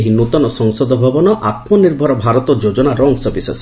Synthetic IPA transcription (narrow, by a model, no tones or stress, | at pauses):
ɦinut̪ɔnɔsɔŋsɔd̪ʱɔbʱabɔnɔʔat̪mɔniɾbʱɔɾɔbʱaɾɔt̪ɔd͡ʒod͡ʒɔnaɾɔŋsɔbisɔs